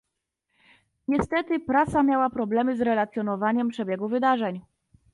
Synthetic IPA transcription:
ɲɛst̪ɛt̪ɘpɾasamʲjawapɾɔblɛmɘzɾɛlat̪sʲjɔnɔvaɲɛmpʂɛbʲjɛɡuvɘd̪aʐɛɲ

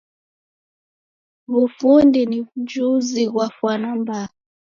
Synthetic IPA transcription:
βufundiniβud͡ʒuziɣwafwanamba

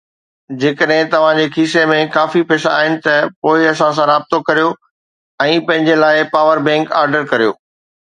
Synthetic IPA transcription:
d͡ʑeːkəɗɦɪ̃t̪ɐʋ̤ãd͡ʑeːkʰiːsemẽkaːfipʰɪsa̰ːɦɪnɪ̆t̪ɐpoːɪɐsãsãɾaːb̚t̪okɐɾijo | ɛ̃ːpɐ̃ɦɪ̃ɲd͡ʑelaːɪpaːʋəɾbɛ̃ːŋka̰ːɾɖəɾkɐɾijo̰ː

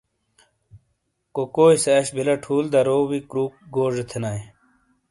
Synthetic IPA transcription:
kokoːiseɕbilɐʈʰuːld̪ɐɾoːwikɾuːk̚ɡoːʐet̪ʰenaj

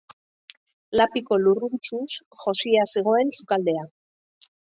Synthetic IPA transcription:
lapiko̞lurunt͡ʃusʝo̞siaseɣ̞o̞e̞nsukald̪e̞a

